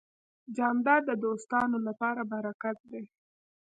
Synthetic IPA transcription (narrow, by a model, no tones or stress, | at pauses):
d͡ʒɑnd̪ɑɾd̪əd̪ost̪ɑnolapɑɾabaɾakat̪̚d̪e